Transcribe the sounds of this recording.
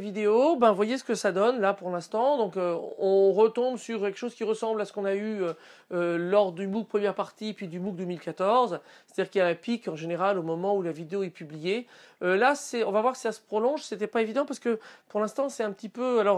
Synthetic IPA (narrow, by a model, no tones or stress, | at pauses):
vid̪eobɛ̃vwajesə̥kəsad̪ɔnlapuʁlɛ̃st̪ɑ̃d̪ɔ̃køɔ̃ʁət̪ɔ̃bsyʁkʲɛlkə̥ʃozkʲiʁəsɑ̃blasə̥kɔ̃nayøølɔʁd̪ymuk̚pχəmjɛʁpaʁt̪ipɥid̪ymuk̚d̪ømilkat̪ɔʁzsse̥t̪ad̪iːʁkiljaɛ̃pikɑ̃ʒeneʁalomɔmɑ̃ulavid̪eoɛpyblije | ølasɛɔ̃vavwaʁksi̥sasə̥pχɔlɔ̃ʒset̪ɛpaevid̪ɑ̃paʁsəkəpuʁlɛ̃st̪ɑ̃sɛt̪ɛ̃pət̪ipøalɔʁ